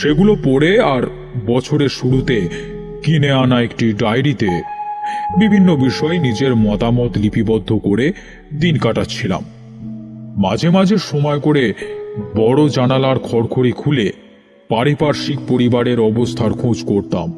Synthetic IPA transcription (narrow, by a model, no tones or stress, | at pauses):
ʃeɡulopɔɽeaɾ | bɔt͡ɕʰoɾeʃuɽut̪e | kineanaekʈiɖajɾit̪e | bibʱinːobiʃɔenid͡ʑeɾmɔt̪amɔt̪lipʰibɔd̪ʱːokoɾe | d̪inkaʈatːɕʰila̰mː | ad͡ʑʱemad͡ʑʱeʃɔmɔekoɾebɔɽod͡ʑanalaɾkʰɔɾkʰoɾikʰule | paɾipaɾʃik̚poɾibaɾeɾɔbost̪ʰaɾkʰõd͡ʑkoɾt̪a̰m